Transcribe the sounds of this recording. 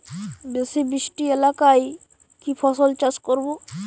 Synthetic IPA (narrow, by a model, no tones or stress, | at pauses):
besibɾiʃʈielakaj | kipʰɔsolt͡ʃaskoɾbo